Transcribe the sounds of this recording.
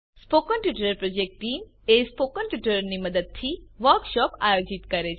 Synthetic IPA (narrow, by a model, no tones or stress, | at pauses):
spokənʈʋɪʈɾəɾpɾod͡ʒek̚ʈʈiːmespokənʈʋɪʈəɾniməd̪əd̪̚t̪ʰiʋəɾkʃɔpa̰jod͡ʒit̪kəɾet͡ʃʰ